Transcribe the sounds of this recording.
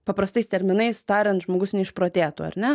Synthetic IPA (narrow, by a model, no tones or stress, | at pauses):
pɐpɾɐst̪ɐɪst̪ʲɛɾʲmʲɪnɐɪst̪ɑːɾʲɛnt̪ʒmoːɡʊsnʲɛɪʃpɾoːt̪ʲeːt̪oːɐ̰ɾʲnʲɛ